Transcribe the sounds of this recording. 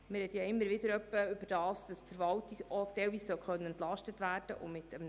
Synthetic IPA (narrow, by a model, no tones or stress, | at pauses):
mɪɾhɛt̪jɑɪmːəɾʋɪd̪əɾœpːəʏbəd̥ɑːsd̥ɑspfəɾvɑltɪɡot̪ɛlviːssœlχœnːəɛnt̪lɑʃtətʋæːɾd̥ə̰ʔʊ̰mɪt̪əm